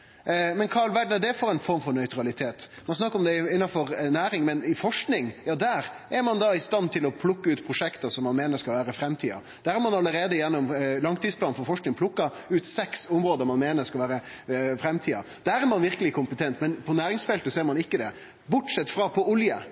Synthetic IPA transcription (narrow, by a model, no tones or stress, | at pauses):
mɛnkʰɑɭʋæɖnəd̪ɛfɔɾɛɪnfɔɾmfɔɾnœʏt̪ɾɑlɪt̪ʰeːt̪mɑnsnɑkːəɾɔmd̪ɛɪɪnːɑfɔɾnæːɾɪŋmɛnɪfɔʂknɪŋjɑːd̪æːɾʔæɾmɑnd̪ɑɪst̪ɑnːt̪ʰɪlɔpʰlʊkːəʉːt̪pʰɾʊʂɛkt̪ɑsɔmːɑnmeːnəɾskɑlʋæːɾəfɾɛmt̪ʰiːɑ̰ | d̪̥æːɾæɾmɑnɑlːəɾeːd̪əjɛnːɔmlɑŋt̪iːsplɑːnfɔɾfɔʂknɪŋpʰlʊkːɑ | ʉːt̪sɛksʊmɾoːd̪əɾmɑnmeːnəɾskɑlʋæːɾə | fɾɛmt̪ʰiːɑ | d̪̥æːɾæɾmɑnʋɪɾkəlɪkʰʊmpət̪ʰɛnt̪mɛnpʰɔnæːɾɪŋsfɛlt̪əsɔɛɾmɑnɪkːəd̪ɛ | bʊʈsɛt̪ːfɾɑpʰɔʊljə